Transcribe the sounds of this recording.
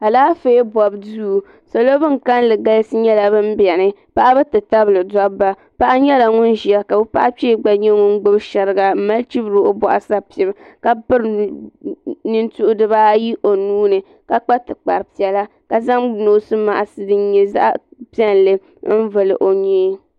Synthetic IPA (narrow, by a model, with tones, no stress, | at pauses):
a˨laː˦feː˦bɔ˨bduː˦˨ | sa˨lo˦bɨ˦ŋ˨ka˦n˦lɨ˨ɡa˦lsɨ˦ɲɛ˦la˨bɨ˦m̩˦bɛ˨nɨ˦pa˦ʔa˦bɨ˦tɨ˨ta˦blɨ˨dɔ˦ba˦ | pa˦ʔa˦ɲɛ˦la˨ŋʊ˦nʒi˨a˦ka˨bɨ˦pa̰˦ʔa˦pe˦ɡ͡ba˨ɲɛ˦ŋʊ˦n˦ɡ͡bʊ˦bʃɛ˨ɾɨ˦ɡa˨m̩˦ma˦lt͡ʃi˦bɾɨ˦o˦bɔ̰˨ʔa˨sa˦pɛ˨bka˦pɨ˦ɾ | nɨ˦ntʊ˦ʔʊ˦dɨ˦ba˦ji˦ʔo˨nuː˦nɨ˨ | ka˦k͡pa˦tɨ˨k͡pa̰˨ɾɨ˨pi˨ɛ˨la˦ | ka˨za˦ŋnoː˦sɨ˦ma̰˨ʔa˨sɨ˦dɨ˦nɲɛ˦za̰˦ʔa̰˦pi˦ɛ˦n˨lɨ˦ | n̩˦vɨ˨lɨ̰˨ʔo˨ɲeː˦